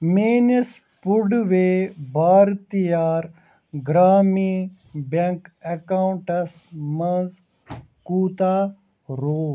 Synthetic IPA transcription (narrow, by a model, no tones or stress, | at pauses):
meːnis | puɖʋeːbaːɾt̪ijaːɾ | ɡɾaːmiː | bɐŋkɐkaːuɳʈɐsmɐnz | kuːt̪aː | ɾoː